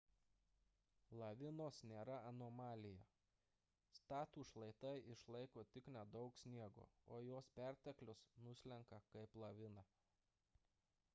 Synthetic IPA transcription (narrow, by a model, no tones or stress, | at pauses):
lˠɐʋʲɪnoːsnʲeːɾɐɐnoːmɑːlʲɪjɛ | st̪ɑːt̪uːʃlˠɐɪt̪ɐɪʔɪʃlˠɐɪkoːt̪ʲɪknʲɛd̪ɐʊksʲnʲiɛɡo̰ːoːjoːspʲæˑɾʲt̪ʲɛklʲʊsnʊsʲlʲɛŋkɐkɐɪplˠɐʋʲɪnɐ